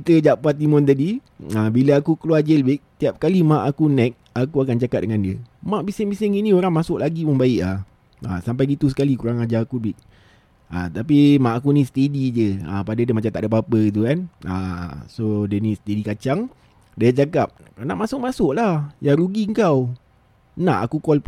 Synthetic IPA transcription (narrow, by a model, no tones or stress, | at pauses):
kit̪əd͡ʒapat̪imʊnt̪̬adi | əbiləakukəluad͡ʒəlbɪk̚t̪iap̚kalimãʔakunɛk̚ | akuakant͡ʃakat̪̚dəŋandiəmaʔbisɪŋbisɪŋinĩoɾaŋmasʊʔlaɡiməŋbaɪʔla | ə̰sampajɡit̪usə̥kalikuɾaŋad͡ʒaakubɪʔ̚ | at̪ap̬imãʔakunisə̥t̪edid͡ʒəə̰padadiəmat͡ʃamt̪aʔdəp̬apəit̪̬ukanəsodənisə̥t̪edikat͡ʃaŋ | daad͡ʒakap̚naʔmasʊʔ̚masʊʔlahjaɾuɡiəŋkaw | naʔa̰kukɔlp